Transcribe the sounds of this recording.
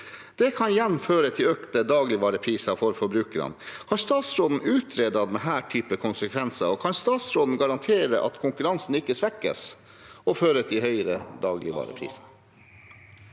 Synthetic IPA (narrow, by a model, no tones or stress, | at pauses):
d̪̥ɛkʰɑnɪjɛnːføːɾət̪ʰɪløːkt̪əd̪ɑːɡlɪʋɑːɾəpʰɾiːsɑfɔɾfɔɾbɾʉːkəɾə̰nhɑɾst̪ɑːt̪sɾoːd̪n̩ʉːt̪ʰɾeːd̪ɑd̪ɛnɦæːʈʰyːpəkʰʊnsəkʰʋɛnsɑɔkʰɑnst̪ɑːt̪sɾoːd̪n̩ɡɑɾɑnt̪ʰeːɾəʔɑ̰t̪kʰʊŋkʉɾɑnsn̩ɪkːəsʋɛkːə̰s | ɔføːɾət̪ʰɪlhœʏɾəd̪ɑːɡlɪʋɑ̰ːɾə̰pʰɾḭːsɑ̥